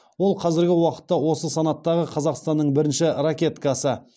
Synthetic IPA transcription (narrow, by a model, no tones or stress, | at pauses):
wo̞lˠqʰɑzɪɾɡʲɪwɑqə̥t̪ːɑwo̞səsɑnɑt̪ːɑʁəqʰɑzɑqst̪ɑnːəɴbɪɾɪnʃɪɾakʲe̞t̪kɑsə